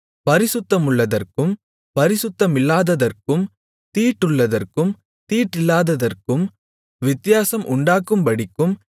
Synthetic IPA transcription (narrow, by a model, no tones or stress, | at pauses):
pɐɾɪsʊt̪ːɐmʊɭːɐðɐrkɯm | pɐɾɪsʊt̪ːɐmɪlːaːðɐðɐrkɯm | t̪iːʈːɯɭːɐðɐrkɯm | t̪iːʈːɪlːaːðɐðɐrkɯm | ʋɪt̪ːɪjaːsɐmʔʊɳɖaːkːɯmpɐɽɪkːɯm